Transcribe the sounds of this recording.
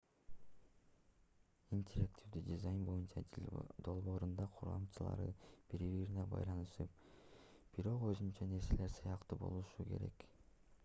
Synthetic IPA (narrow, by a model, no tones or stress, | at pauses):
inʲtʲʰeɾaktʲʰifd̪ydʲizajnbo̞junt͡ʃɑd̪o̞lˠbo̞ːɾund̪ɑqʰuɾʁɑ̰mt͡ʃɯlˠɑ̰ɾɯ̰b̥iɾiβiɾinebɑ̰jlˠɑnɯʃɯp̚ | b̥iɾo̞qø̞zynt͡ʃɑne̞ɾse̞le̞ɾsɯjɑqt̪ɯbo̞̰lˠuʃukʰe̞̰ɾe̞̰k